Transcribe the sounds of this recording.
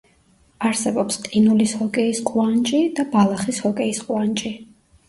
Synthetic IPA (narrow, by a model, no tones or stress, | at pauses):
aɾsɛbɔpst̪ʼinulishɔkʼɛisqʼwant͡ʃʼid̪abalˠaχishɔkʼɛisqʼwant͡ʃʼi